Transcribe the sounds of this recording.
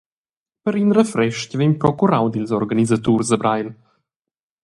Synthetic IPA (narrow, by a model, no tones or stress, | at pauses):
pəɾinɾəfɾɛʃcvɛmpɾɔkuɾawd̪ilzɔɾɡanizat̪uɾzəbɾajl